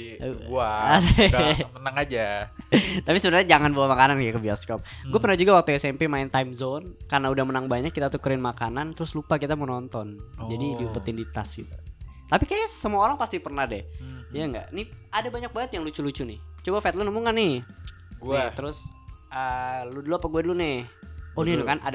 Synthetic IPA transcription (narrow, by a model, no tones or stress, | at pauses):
ast̪ənaŋad͡ʒa | t̪apisəbənarɲad͡ʒaŋanbawamakanankaakəbiaskɔp̚ɡuapərnahd͡ʒuɡawak̚t̪uɛsɛmpemaɪnt̪ajmzonkarnaudahmənaŋbaɲakːit̪at̪ukəɾɪnmakanant̪əɾʊslupakit̪amənɔnt̪ɔnd͡ʒadidiupət̪ɪndit̪a̰sit̪ut̪apikajasəmuaoɾaŋpast̪ipərnahdɛhjaŋɡa̰ʔnɪadabaɲak̚baŋət̪jaŋlut͡ʃulut͡ʃunɪht͡ʃobafɛt̪lənumʊŋanɪ | ɡuat̪əɾʊsəluduluapaɡuadulunɪhonɪnukanad